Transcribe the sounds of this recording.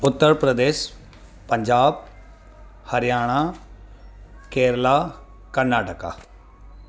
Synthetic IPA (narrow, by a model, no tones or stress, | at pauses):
ʊt̪ːəɾpɾəd̪eːʃ | pəɲd͡ʒaːb | həɾɪjaːɽ̃aː | keːɾlaː | kəɾnaːʈəka̰ː